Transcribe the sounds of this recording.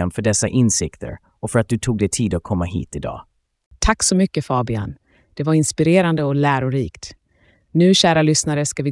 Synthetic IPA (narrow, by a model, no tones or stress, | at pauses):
anfœɖɛsːaʔɪnsɪkt̪ʰə̰ɾ | ɔfœɾat̪̚d̪ɵt̪ʰuːɡd̪ɛt̪ʰiːd̪ɔkʰːɔmːaɦḭːt̪ɪd̪ɑ̰ː | t̪ʰakːsɔmʏkːəfɑːbɪa̰n | d̪̥ɛvaɾɪnspɪɾeːɾand̪əɔlæːɾʊɾiːkt̪ | nʉ̟ːɕæːɾalʏsnaɾəʂkavɪ